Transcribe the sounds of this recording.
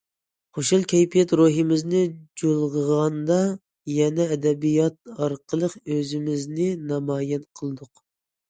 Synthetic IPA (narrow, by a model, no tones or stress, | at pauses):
χoʃulˠkʲʰɛjpʰijɛt̪ɾoɦɨmɪznɪd͡ʒolˠʁəʁɑnd̪ɑ | jɛnɛːd̪ɛbijɑt̪̚ɑɾqʰəlˠəqøzɪmɪznɪnɑmɑːjɛnqʰəlˠɨd̪ʊq